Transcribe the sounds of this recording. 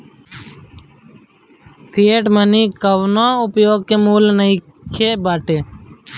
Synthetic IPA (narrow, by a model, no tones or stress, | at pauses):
pʰieːʈməniːkəʋnãːʊpjoːɡ̚kemuːlnəĩ | kʰeːbaːʈeː